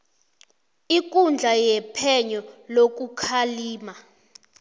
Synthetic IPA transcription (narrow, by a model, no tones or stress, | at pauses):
ik̬ʼund͡ɮʱajɛpʰɛɲɔlok̬ukʰaliːma